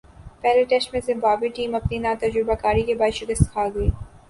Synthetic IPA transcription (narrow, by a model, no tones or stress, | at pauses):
pɛɦleʈɛsʈmẽzɪ̃mbaːbiʈiːmɐpninaːt̪ɐd͡ʒɾɪbakaːɾikebaːd̪ʃɪkəst̪kʰaːɡɐiː